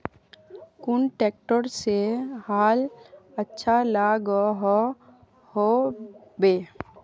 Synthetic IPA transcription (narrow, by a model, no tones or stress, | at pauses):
kʊɳʈeːk̚ʈəɾsehaːlətːʃʰalaɡɔɦɔ | hobeː